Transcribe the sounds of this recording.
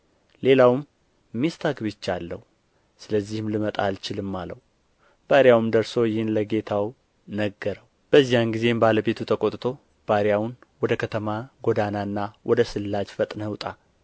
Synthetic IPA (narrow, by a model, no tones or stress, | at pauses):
le̞lawmː | ist̪ʰaɡbɨt͡ʃːalːəhu | sɨləzːihmlɨmət̪ʼa̰lt͡ʃɪlɨmːaləw | b̥aɾjawɨmd̪əɾso̞jɪhɨnləɡe̞t̪ʰaw | nəɡːəɾəw | b̥əzːijanɡize̞mbaləbe̞t̪ʰut̪ʰəkʼot̪ʼt̪ʰo̞ | b̥aɾjawnwɔd̪əkʰət̪ʰəmaɡod̪ananːawʔɔd̪əsɨlːad͡ʒfət̪ʼnəwt̪ʼa